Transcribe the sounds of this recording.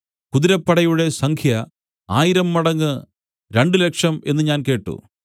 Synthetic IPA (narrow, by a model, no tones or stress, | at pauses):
kuðiɾɐpːɐɽɐjuɽe̞sɐŋkʰjɐ | aːjiɾɐmːɐɽɐŋːɨ | ɾe̞ɳɖɨle̞kʂɐme̞nːɨɲaːnke̞ːʈːṵ